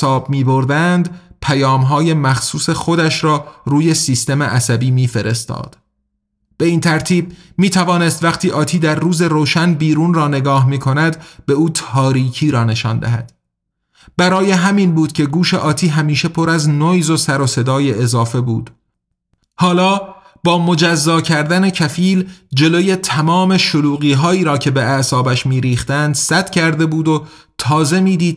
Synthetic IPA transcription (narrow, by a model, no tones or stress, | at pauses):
ɒːbmiːboɾd̪ænd̪pʰæjɒːmɦɒːje̞mæxsuːse̞xo̞d̪æʃɾɒːɾuːje̞siːst̪e̞meʔæsæbiːmiːfe̞ɾe̞st̪ɒ̰ːd̪̥ | b̥e̞iːnt̪ʰæɾt̪ʰiːb̚miːt̪ʰævɒːne̞st̪væχt̪ʰiːʔɒːt̪ʰiːd̪æɾːuːze̞roːʃænbiːɾuːnrɒːne̞ɡɒːhmiːkʰo̞næd̪be̞uːt̪ʰɒːɾiːcʰiːɾɒːne̞ʃɒːnd̪æ̰ɦæ̰d̪̥ | b̥æɾɒːje̞ɦæmiːnbuːd̪̥cʲʰe̞ɡuːʃe̞ʔɒːt̪ʰiːɦæmiːʃe̞pʰoɾæznojzo̞sæɾose̞d̪ɒːje̞ːzɒːfe̞buːd̪̥ | hɒːlɒː | b̥ɒːmo̞d͡ʒæzːɒːcʰæɾd̪æne̞cʰæfiːld͡ʒe̞loje̞t̪ʰæmɒːme̞ʃoluːɣiːɦɒːiːɾɒːcʰe̞beæsɒːbæʃmiːɾiːχt̪ænd̪sæt̪cʰæɾd̪e̞buːd̪o | t̪ʰɒːze̞miːd̪iːd̪̥̚